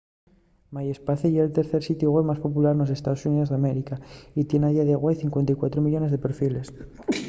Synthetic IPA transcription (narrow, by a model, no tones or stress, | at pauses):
majespaθejelt̪eɾθeɾsit̪juoɣweβmaspo̞pulaɾno̞s̬e̞st̪aðo̞sunið̞o̞zðameɾikait̪jenajaðaɣwajθiŋkwent̪ajkwat̪ɾomiʎo̞ne̞zðe̞peɾfile̞s